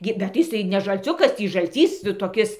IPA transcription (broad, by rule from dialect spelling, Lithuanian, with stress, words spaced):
ˈɡʲɪ bʲɛt tɐɪ jɪˈsɐɪ nʲɛ ʒɐlʲˈt͡sʲʊkɐs ˈtʲiː ʒɐlʲˈt͡sʲiːs toːˈkʲɪs